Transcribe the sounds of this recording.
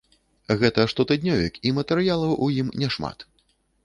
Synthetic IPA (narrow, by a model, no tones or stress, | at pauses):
ɣɛt̪ɐʂt̪ɔt̪ɨd̪ʲnʲɔvʲḭkimɐt̪ɛɾɨjalˠɐwʔujimnʲɛʂma̰t̪